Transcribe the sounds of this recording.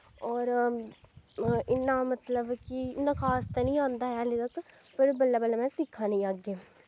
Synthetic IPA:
ɔːɾ | ɪnːamət̪ləbkiɪnːãːkʰaːst̪anəĩːãːnd̪aːɦɛəlet̪ɐk | pəɾbəlːaːbəlːaːmɛ̃ːsɪkʰːaːnĩːaːɡeː

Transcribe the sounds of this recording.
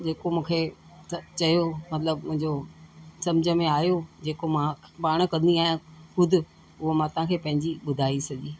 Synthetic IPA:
d͡ʑeːkomũːkʰe | ɐt͡ɕɐjomɐt̪ləbmʊ̃ɦɪ̃ɲd͡ʑosɐmd͡ʑʱə̆mẽaːɦjod͡ʑeːkomãpaːɽ̃ə̆kɐ̃nd̪iaːijãxʊd̪ʱɪ̆ | ʊɦomãt̪ɐãkʰeːpɐ̃ɦɪ̃ɲd͡ʑiɓʊd̪ʱaːisɐd͡ʑiː

